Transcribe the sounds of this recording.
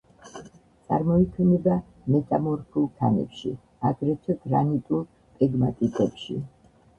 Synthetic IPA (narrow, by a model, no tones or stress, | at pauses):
t̪sʼa̰ɾmɔikʰɛnɛba | mɛt̪ʼamɔɾpʰulˠt̪ʰa̰nɛ̰pʃḭ | aɡɾɛt̪ʰɛd̪ɾa̰nit̪ʼulˠ | pʼɛɡmat̪ʼik̪ʼɛpʃḭ